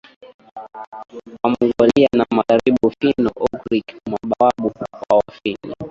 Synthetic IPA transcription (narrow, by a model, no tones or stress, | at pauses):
wamuɡɔlianamaɣaɾiɓufinɔʔɔkɾikmaɓawaɓuawafinḭ